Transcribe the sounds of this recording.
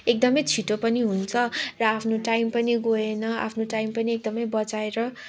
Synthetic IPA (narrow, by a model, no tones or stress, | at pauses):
ek̚d̪ʌmʌjt͡sʰiʈopʌniɦunt͡sʰʌrʌapʰnoʈajmpʌniɡoenʌa̰pʰnoʈajmpʌniek̚d̪ʌmʌjbʌt͡saeɾʌ